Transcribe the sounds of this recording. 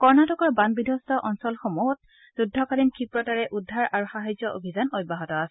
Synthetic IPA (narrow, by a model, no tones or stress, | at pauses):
kɔɹnatɔkɔɹbanbidʱɔstɔʔɔnsɔlxɔmɔɔt̚ | z̥udʱːɔkalinkʰipɹɔtaɹɛʔudʱːaɹʔaɹuxaɦajzɔo̰bʱizanɔjbaɦɔtɔasɛ